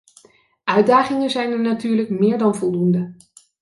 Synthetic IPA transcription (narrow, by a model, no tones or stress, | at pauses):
ʔœɥdaːχɪŋənzɛjnəɹnatyːɹləkmɪːɹdɑnvɔlˠdundə